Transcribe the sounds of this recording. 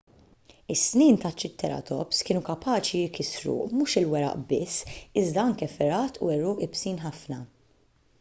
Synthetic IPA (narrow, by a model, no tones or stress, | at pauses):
ɪsːniːnt̪ɐt͡ʃːɪt̪ːɛɾɐ̰t̪ʰɔ̰pskɪːnukɐpʰɐːt͡ʃijɪkɪsɾṵmuːʃɪlwɛɾɐ̰ʔbɪsːɪzd̪ɐɐŋkɛfɪɾɐːt̪ʰṵɛɾʊːʔɪpsiːnħɐfnɐ